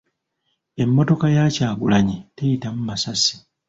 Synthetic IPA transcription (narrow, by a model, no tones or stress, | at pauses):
e̞mːo̞to̞kajaːcaːɡulaɲetejitamumasasi̥